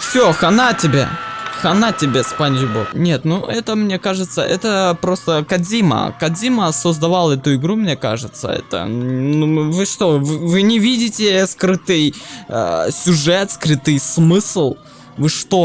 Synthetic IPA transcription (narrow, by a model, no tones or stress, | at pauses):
fsʲoxɐnatʲɪbʲḛxɐnatʲɪbʲespanʲʒbo̰knʲe̞t̪nuʔɛt̪əmnʲe̞kaʐɨt̪səʔɛt̪əpɾo̞st̪əkɐzʲimə̰kɐzʲiməsəzd̪ɐvalˠɛt̪ʊɪɡɾumnʲe̞ka̰ʐɨt̪sə̰ɛ̰t̪ə̰nuvɨʂt̪o̞vɨvɨnʲɪvʲidʲɪtʲɪskɾɨt̪ɨj | sʲʊʐɛt̪skɾɨt̪ɨjsmɨslˠ | vɨʂt̪o̞